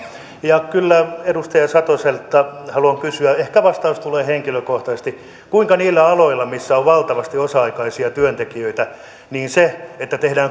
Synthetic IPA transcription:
jɑkylːæedust̪ɑjɑsɑt̪oselt̪ːɑhɑluɑŋkysyæehkæʋɑst̪ɑust̪uleːheŋkiløkoht̪ɑsest̪i | kuiŋkɑniːlːæɑloilːɑmisːæoʋʋɑlt̪ɑʋɑst̪iosɑɑikɑisiɑt̪yønt̪ekiøit̪æ | niːnseet̪ːæt̪ehdæːŋ

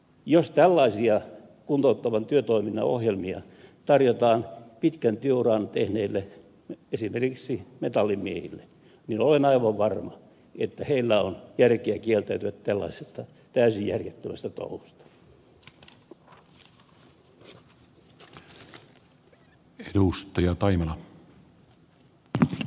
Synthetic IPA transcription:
jost̪ælːɑisiɑ | kunt̪out̪ːɑʋɑnt̪yøt̪oiminːɑ̰o̰hjelmiɑ̰ | t̪ɑrjot̪ɑːnpit̪kænt̪yøurɑnɑt̪ehneːlːe | esimerkiksimet̪ɑlːimmiehḭlːe | ninolenɑiʋɑʋʋɑrmɑ | et̪ːæheilːæonjærkeækielt̪æyt̪yʋæt̪t̪ælːɑ̰isest̪ɑ | t̪æysijjæ̰rjet̪ːømæst̪æt̪o̰hust̪ɑ̥ | edust̪ɑjɑt̪ɑimɑnɑ

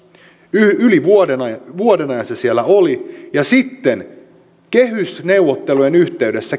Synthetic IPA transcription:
yliʋuoenɑʋuodenɑjɑsːɑsielːæolijɑsit̪ːe̞n | ke̞ɦysne̞uʋot̪ːe̞lujenyht̪e̞ydesːæ

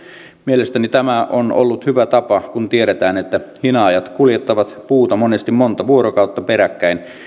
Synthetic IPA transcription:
mielest̪ænit̪æmæʔono̰lːut̪hyʋæt̪ɑpɑkunt̪ieɾet̪æːnet̪ːæhinɑːjɑt̪kuljet̪ːɑʋɑt̪puːt̪ɑmonest̪immont̪ɑʋuoɾokɑˑut̪ːɑpeɾækːæin

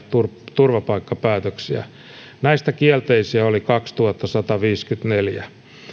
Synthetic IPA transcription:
t̪urt̪urʋɑpɑikːɑpæːt̪øksiæ̰ | næist̪ækiælt̪eisiæolikɑkst̪uhɑt̪ːɑsɑt̪ɑʋiːskyt̪neljæ

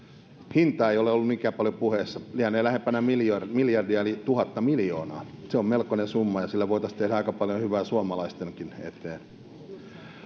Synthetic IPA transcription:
hint̪ɑːeioleolːumikæːpɑljopuhesːɑlihænːeːlæhempænæmirmiljɑrdiɑelit̪uhɑt̪ːɑmiljo̰ːnɑːseommelkonesumːɑjɑsilːæʋoit̪ɑst̪ehdæɑikɑpɑljohyʋæːsuɑmɑlɑist̪eŋkinḛt̪eːn

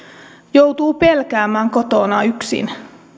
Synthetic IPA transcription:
jowt̪uːpelkæːmæːŋko̞t̪onɑyksḭn

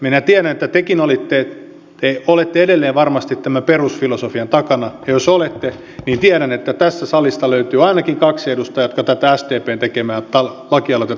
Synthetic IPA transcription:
minæt̪iæɾænet̪ːæt̪ekinolit̪ːe | t̪eolet̪ːeedelːeːʋʋɑrmɑst̪it̪tæmæperusfilosofiɑnt̪ɑkɑnɑjɑjosolet̪ːe | niːnt̪iæɾænet̪ːæt̪æst̪æsɑlist̪ɑløyt̪yːɑinɑkiŋkɑksedust̪ɑjot̪kɑt̪æt̪ææst̪eːpeːnt̪ekemæːnt̪ɑlɑkiɑlot̪ɑ

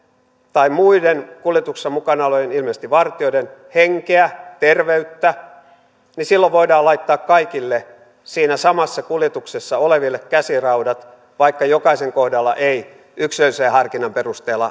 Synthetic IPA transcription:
t̪ɑimmuidenkuljet̪uksːɑmukɑnɑlojenilmest̪iʋɑrt̪ioidenheŋkeæt̪erʋeyt̪ːæ | nisilːoʋʋoidɑːlɑit̪ːɑːkkɑikilːe | siːnæsɑmɑsːɑkuljet̪uksesːɑoleʋilːekkæsirɑudɑt̪ | ʋɑikːɑjokɑiseŋkohdɑlːɑ̰ʔei | ykseseːhɑrkinɑmperust̪eːlːɑ̰

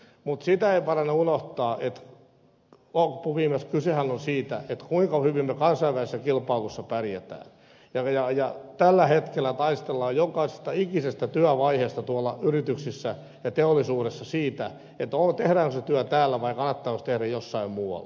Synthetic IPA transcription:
mut̪sit̪æeipɑrɑnːeunoht̪ɑːʔet̪ | lopːuʋiːmeskysehænonsiːt̪æ̰et̪kuiŋkɑhyʋimːøkɑnsɑiʋælisesːækilpɑilusːɑpærjet̪æ̰ːn | jɑjɑjɑt̪ælːæhet̪kelːˑæt̪ɑist̪elːɑːjjokɑise̥st̪ɑikisest̪æt̪yæʋɑiheːst̪ɑt̪uɑlːɑyrit̪yksisːæ | jɑt̪eolːˑisuːɾesːɑsiːt̪æ | et̪ot̪ehɾæːŋkoset̪yæt̪æːlːæʋɑikɑnːɑt̪ːɑːkost̪ehɾæjjosːɑimmuːɑ̰lː

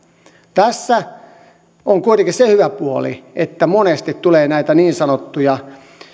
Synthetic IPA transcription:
t̪æsːæ | oŋkuit̪ekissehyʋæpuolḭʔet̪ːæmonest̪it̪t̪uleːnæit̪æniːnsɑnot̪ːujɑ

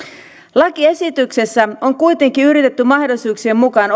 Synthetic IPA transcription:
lɑkie̞sit̪ykse̞sːæo̞ŋkujt̪e̞ŋkiyɾit̪et̪ːymɑhdolsuːksiemːukɑːn

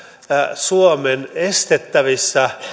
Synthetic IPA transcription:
suomenest̪et̪ːæʋisːæ

